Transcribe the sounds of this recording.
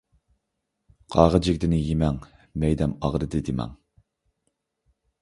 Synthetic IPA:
qʰɑːʁəd͡ʒɪkʲd̪ɪnɪjimɛŋ | mɛjd̪ɛmɑʁɾɨd̪ɨd̪ɪmɛ̰ŋ

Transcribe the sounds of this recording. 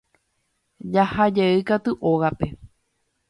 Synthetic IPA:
d͡ʒahad͡ʒeɨkat̪uʔo̞ɣape̞

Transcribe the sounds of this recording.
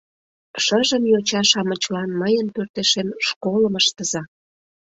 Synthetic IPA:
ʃəʒəmjot͡ɕɑʃɑmə̆t͡ɕlɑnməjənpørt̪eʃenʃkoləməʃt̪əzɑ

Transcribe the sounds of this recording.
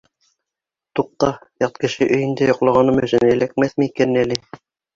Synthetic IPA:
t̪uq̚t̪ɑjɑt̪kɘ̆ʃɘʔɵ̆jɘ̆nd̪æjŏqlˠɑʁɑnɤmɵ̆ʃɘnɘ̆læk̚mæθmɘikænælɘ

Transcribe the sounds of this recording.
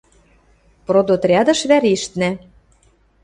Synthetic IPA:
prod̪ot̪rʲɑd̪ɤ̆ʃβæɾiʃt̪næ

